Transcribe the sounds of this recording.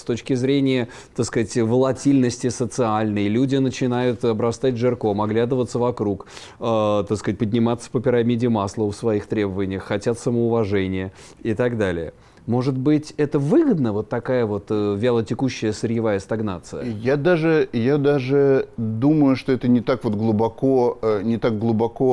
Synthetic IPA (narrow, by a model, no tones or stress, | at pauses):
st̪ot͡ɕkʲɪzɾʲenʲɪjə | t̪akskatʲvəlˠɐtʲilʲnəsʲtʲɪsət̪sɨalʲnəjlʲudʲɪnət͡ɕɪnajʊt̪ɐbɾɐst̪atʲʐɨrko̞mɐɡlʲad̪əvət̪səvɐkɾuk | ət̪askat̚ʲpədʲnʲɪmat̪sːə̥pəpʲɪɾamʲidʲɪmaslˠəfsvɐixt̪ɾʲe̞bəvənʲɪjəxːɐtʲat̪səməʊvɐʐɛnʲɪjə | ɪt̪aɡd̪alʲɪ̰jə | mo̞ʐɨt̪̚bɨtʲɛt̪əvɨɡəd̪nəvo̞t̪ːɐkajəvo̞t̪əvʲɪalˠətʲɪkuɕːɪjəsəɾʲjɪvajəst̪ɐɡnat̪sɨjəjad̪aʐɨjad̪aʐɨd̪uməjʊʂt̪o̞ɛt̪ənʲɪt̪akvot̪ɡlˠʊbɐkonʲɪt̪ak̚ɡlˠʊbɐko